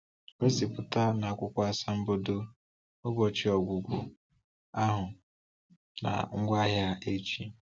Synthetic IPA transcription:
o˦si˨pʊ˨ta˦na˨a˦kʷʊ˦kʷa˦a˦sa˦m̩˦bo˦do˦ | ʊ˦bɔ˨t͡ʃɪ˦ɔ˨ɡʷu˨ɡʷʊ˨ | a˦ɦʊ˨ | na̰˨ŋ̩˦ɡʷa˦ɦja˦e˦t͡ʃi˦

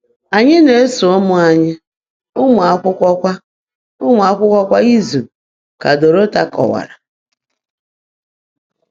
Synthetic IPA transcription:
a˨ɲɪ˦ne˨˦so˨ʊ˦mʊ˦a˨ɲɪ˦ | ʊ˦ŋʷa˨a˨kʷʊ˦kʷɔ˦kʷa˦ | ʊ˦ŋʷ˨a˨kʷʊ˦kʷɔ˦kʷa˦i˦zu˨ | ka˨do˨ɾo˦ta˦kɔ̰˨wa̰˨ɾa˨

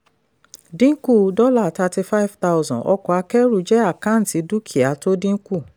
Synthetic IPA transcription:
dĩ˦ku˦˨dɔ˦la˦˨ta˧ti˧fa˦i˦˨vta˦wzɔ̃˨ʔɔ̰˧kɔ˧˨a˧kɛ˦ɾu˦˨d͡ʒɛ˦a˦˨kã˨˦n̩˨ti˨˧˦du˦kʰi˨a˨˦to˦dĩ˦ku˦˨

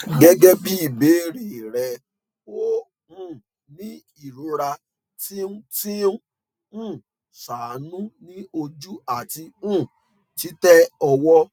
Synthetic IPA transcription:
ɡɛ˦ɡɛ˦bi˦i˦˨be˨˦ɾi˦˨ɾɛ˨ | wo˦ | ũ˦˨ | nĩ˦ | i˦˨ɾo˨˦ɾa˧ | ti˦ũ˦ti˦ũ˦ | ũ˦˨ | sa˨˦nũ˦nĩ˦o˧d͡ʒu˦a˦˨ti˧ũ˦˨ | ti˦tɛ˦ɔ˧wɔ˦

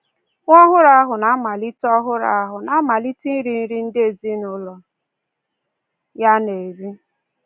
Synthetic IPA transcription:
ŋʷɔ˦ɦʊ˦ɾa˦ɦʊ˨na˨˦ma˨li˦tɔ˦ɦʊ˦ɾa̰˦˨˦ɦʊ˨na˨˦ma˨li˦ti˦n̩˦ɾi˨n̩˦ɾi˦n̩˦dɪ˦e˨zi˦nʊ˦lɔ˨ | ja˦ne˨ɾi˦

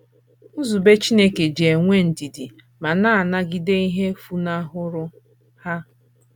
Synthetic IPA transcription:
ʊ˦zu˨be˦t͡ʃi˦ne˦ke˨d͡ʒe˨ŋʷe˦˨n̩˨di˨di˨ | ma˨na˦˨na˦ɡi˨de˦i˦ɦe˦fu˦na˦ɦʊ˦ɾʊ˦ | ha˦

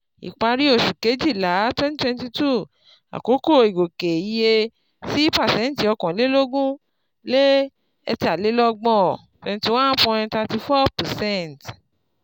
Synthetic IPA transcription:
ḭ˨k͡pa˧ɾi˦o˦˨ʃu˨ke˨˦d͡ʒi˦˨la˨˦twɛ̃˦ntwɛ̃˧nti˧tu˦˨ | a̰˨ko˨˦ko˦˨i˨ɡo˨ke˨i˨˧je˧ | si˦pa˦˨sɛ̃˨˦n˨ti˨˦ɔ˧kɔ̃˨le˦lo˦ɡũ˦ | le˦ | ɛ̰˧ti˦a˨le˨˦lɔ˦ɡ͡bɔ̃˦˨ | twɛ̃˧nti˧wã˦n˦pɔ̃˧ɾ̃ĩ˧ta˧ti˧fɔ˦pa˨sɛ̃˦nt

